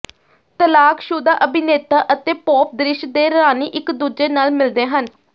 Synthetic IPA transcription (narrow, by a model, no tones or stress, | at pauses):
t̪əlaːkʃuːd̪aːʔəbɪneːt̪aːʔət̪eːpɔːp̚d̪ɾɪʃd̪eːɾaːniːʔɪkd̪uːd͡ʒeːnaːlmɪld̪eːɦən